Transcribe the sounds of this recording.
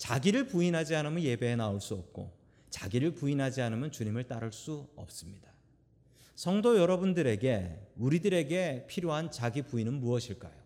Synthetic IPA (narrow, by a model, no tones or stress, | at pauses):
t͡ɕaɡiɾɯɭpuinɦad͡ʑianɯmjʌnje̞be̞ːnaoɭs͈uʌp̚k͈o̰ | t͡ɕaɡiɾɯɭpuinɦad͡ʑianɯmjʌnt͡ɕuɲimɯɭt͈aɾɯɭs͈uʌ̰p̚s͈ɯmɲid̥a | sʰʌŋdojʌɾʌbundɯɾe̞ɡe̞uɾidɯɾe̞ɡe̞pʰiɾjoɦant͡ɕaɡipuinɯnmuʌɕʰiɭk͈ajo